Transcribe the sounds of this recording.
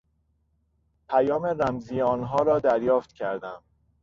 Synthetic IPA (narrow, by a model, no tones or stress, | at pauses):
pʰæjɒːmeɾæmziːjeɒːnɦɒːɾɒːd̪æɾjɒːft̪cʰæɾd̪æm